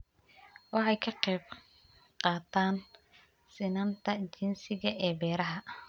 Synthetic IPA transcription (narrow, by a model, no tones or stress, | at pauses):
wɑħɑjkʰɐqɛːb̚ | qɑːt̪ʰaːn | sɪnɐnt̪ʰɐt͡ʃɪnsɪɣɐʔɛːbɛːɾɐɦɐ